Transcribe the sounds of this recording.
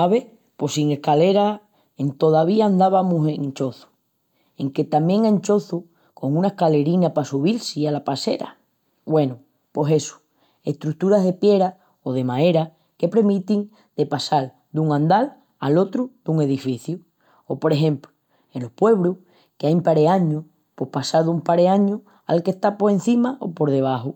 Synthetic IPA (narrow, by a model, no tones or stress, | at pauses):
aβe̞ | po̞siŋe̞hkale̞ɾa | e̞nt̪o̞ðaβiaːnd̪aβamuse̞ŋnt͡ʃo̞θu̥ | e̞ŋke̞t̪amje̞ŋant͡ʃo̞θu | ko̞ŋũnae̞hkale̞ɾinapasuβilsialapase̞̰ɾa̰ | we̞nu | po̞se̞su̥ | e̞ht̪ɾut̪uɾaɦðe̞pje̞ɾa | o̞ðe̞mãe̞ɾa | ke̞pɾe̞mĩt̪iŋ | d̪̥e̞pasal | d̪uŋãnd̪al | a̰lo̞t̪ɾuðuŋe̞ðifiθju | opo̞ɾe̞ɦẽ̞mplu̥ | e̞nlo̞hpwe̞β̞ɾuh | keajmpaɾeaɲu | po̞hpasaðumpaɾeaɲu | a̰lke̞ht̪apo̞ɾẽ̞n̟θimaʔo̞̰po̞ɾðe̞β̞aɦo